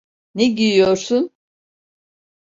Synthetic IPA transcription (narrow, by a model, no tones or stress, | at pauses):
neɟijijo̞ɾsun